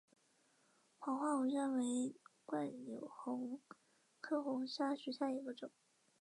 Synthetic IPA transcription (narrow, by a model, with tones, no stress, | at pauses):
xwɑ˧˥ŋxwa˥˩u˧˥ɻə˥˩nwe˧˥ɪkwa˥˩njo˨˩ʊxʊ˧˥ŋ | kʰɤ˥xʊ˧˥ŋɕja˥ɕɛ˧˥ɕja˥˩i˧˥ɡə˥˧ʈ͡ʂʊ˨˩˦ŋ